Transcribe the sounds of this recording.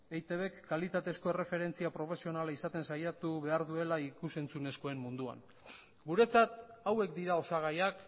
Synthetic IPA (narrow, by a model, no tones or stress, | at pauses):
ejt̪e̞βe̞kːalit̪at̪e̞sko̞e̞re̞fe̞ɾe̞nt͡siapɾo̞fe̞sio̞nalaisat̪e̞nsajat̪uβe̞aɾðue̞laikuse̞nt͡sune̞sko̞e̞mmːund̪ua̰n | ɡuɾe̞t͡sat̪awe̞kd̪iɾao̞saɣ̞ajak